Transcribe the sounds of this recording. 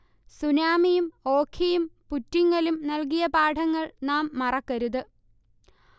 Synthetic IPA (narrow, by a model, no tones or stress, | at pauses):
sunaːmijumoːkʰːijumputːiŋːɐlumnɐlk̬ijɐpaːʈʰɐŋːɐɭnaːmːɐrɐkːɐɾuðɨ